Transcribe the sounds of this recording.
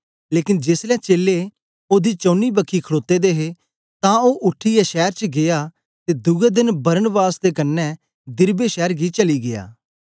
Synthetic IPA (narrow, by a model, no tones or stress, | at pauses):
leːkɪnd͡ʒeslɛ̃ːt͡ʃeːle | oːd̪iːt͡ʃõːniːbəkʰːiːkʰəɽoːt̪ːeːd̪eːɦe | t̪ãːoːʔʊʈʰːiːjaʃɛːɾt͡ʃɡɪjaː | t̪eːd̪ʊɡɛːd̪ɪnbəɾənbaːsd̪eːkənːɛ | d̪ɪɾbeːʃɛːɾɡit͡ʃəliːɡɪja̰ː